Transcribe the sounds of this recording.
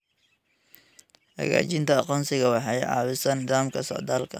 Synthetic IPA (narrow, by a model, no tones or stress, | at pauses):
hɐ̰ɣa̰ːt͡ʃɪnt̪ʰɐːqɔːnsɪɣɐwɑħɑjʕɑ̰ːβɪsɐnɪðaːmkʰɐsɔ̰ʕd̪aːlkʰɐ̰